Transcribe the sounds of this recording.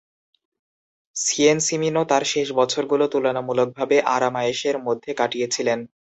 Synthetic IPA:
siensiminot̪aɾʃeʃbɔt͡ɕʰoɾɡulot̪ulonamulok̚bʱabeʔaɾamaeʃeɾmod̪ʱːekaʈijet͡ɕʰilen

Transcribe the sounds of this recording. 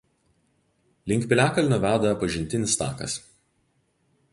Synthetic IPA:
lʲɪŋʲkʲpʲɪlʲæːkɐlʲnʊʋʲæːd̪ɐɛpɐʒʲɪnʲt̪ʲɪnʲɪst̪ɑ̰ːkɐ̰s

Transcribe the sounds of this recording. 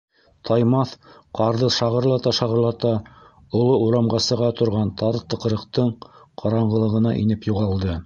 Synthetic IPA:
t̪ʰɑjmɑθqʰɑɾðɤʃɑʁɤ̆ɾlˠɑt̪ɑʃɑʁɤ̆ɾlˠɑt̪ɑ | ŏlˠouɾɑmʁɑsɤ̆ʁɑt̪ŏɾʁɑnt̪ʰɑɾt̪ɤ̆qɤ̆ɾɤ̆qt̪ɤɴqʰɑɾɑɴʁɤ̆lˠɤ̆ʁɤ̆nɑ̰ʔḭnɘpjuʁɑlˠd̪ɤ

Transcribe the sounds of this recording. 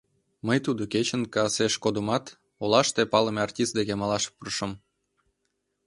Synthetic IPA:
məjt̪ud̪oket͡ɕə̆nkɑɑseʃkod̪əmɑt̪ | olɑʃt̪epɑləmeɑrtʲist̪̚d̪eɣemɑlɑʃpurʃəm

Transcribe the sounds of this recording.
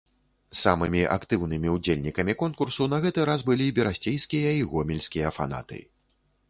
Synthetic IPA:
sa̰mɨmʲiʔa̰kt̪ɨwnɨmʲiud͡zʲelʲnʲikɐmʲikɔnkursun̪ɐɣɛt̪ɨɾazbɨlʲibʲɛɾasʲt͡sʲejskʲijɐiɣɔmʲilʲskʲijɐfa̰na̰t̪ɨ̰

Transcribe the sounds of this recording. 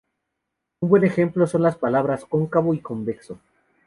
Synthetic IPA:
umbwe̞ne̞xe̞mplo̞so̞nlaspalaβ̞ɾasko̞ŋkaβoiko̞mbekso

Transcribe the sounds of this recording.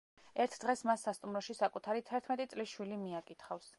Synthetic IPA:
ɛɾt̪ʰd̪̥ʁɛsmasːast̪ʼumɾɔʃisakʼut̪ʰaɾit̪ʰɛɾt̪ʰmɛt̪ʼit̪sʼlisʃwilimiakʼit̪ʰχafs

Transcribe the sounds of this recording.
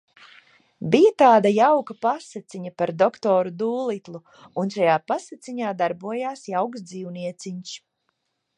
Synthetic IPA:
bijat̪aːd̪ajawkɐpasat̪siɲapaɾd̪ɔkt̪ɔːɾud̪uːlˠit̪lˠu | unʃajaːpasat̪siɲaːd̪aɾbuɔjaːsjawksd̪ziːwniɛt̪siɲs

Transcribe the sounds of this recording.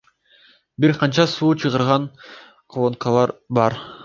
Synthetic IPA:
biɾqʰɑnt͡ʃɑsuːt͡ʃʰɯʁɯɾʁɑn | qʰolˠonkʰɑlˠɑɾbɑɾ

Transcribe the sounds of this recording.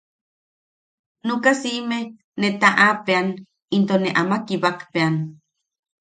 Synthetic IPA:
nukasiʔme | net̪aʔapean | int̪oneʔamakiβakpean

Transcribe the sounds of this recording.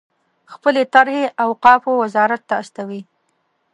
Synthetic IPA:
xpəlet̪aɾheʔawqɑfowazɑɾat̪ːaːst̪awi

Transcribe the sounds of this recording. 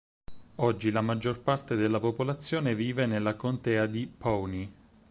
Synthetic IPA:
ɔd͡ʒːilamad͡ʒːorpart̪ed̪elːapopolat̪sːjoːneviːvenelːakont̪ɛːad̪ipɔwni

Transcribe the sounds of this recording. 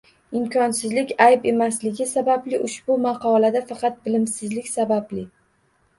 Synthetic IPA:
ɪmkʲʰɒnsɪzlɪkʲajpe̞maslɪɡʲɪsabablɪʔʊʃbʊmɑqɒlad̪afɑqɑt̪̚bɪlɪmsɪzlɪkʲsabablɪ

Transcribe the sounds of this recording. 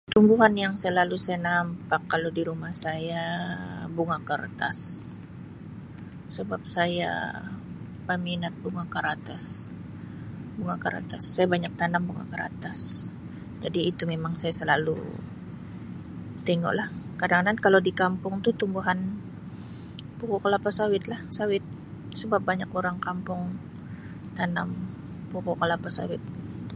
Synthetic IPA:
t̪umbuɦanjaŋsaəlalusajanampakːalodiɾumahsaja | buŋakə̰rt̪a̰s | əbap̚saja̰ | pəminat̪̚buŋakəɾat̪as | buŋakəɾa̰t̪asːajabaɲak̚t̪anaŋbuŋa̰kəɾa̰t̪as | d͡ʒadiːt̪umemaŋsajasəlalṵ | t̪ɛŋo̰ʔlahkadaŋanankaladikampʊŋt̪ut̪umbuɦan | pukokalapasawɪt̪lahsawɪt̪̚ | səbap̚baɲakoɾaŋkampʊŋ | t̪anam | pukokalapasa̰wɪt̪̚

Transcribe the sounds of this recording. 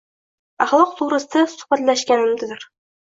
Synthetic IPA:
ɑχlˠɤqt̪uɾɤ̆st̪ɤsu̥χpæt̪læʃkænɘmt̪ɵ̆ðɘɾ

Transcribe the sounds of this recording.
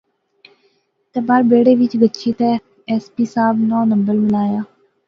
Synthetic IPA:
t̪eːbaːɾbeːɽeːʋɪt͡ʃɡətːʃʰiːt̪eː | ɛːspiːsaːbnɔːnəmbəɾmɪlaːjaː

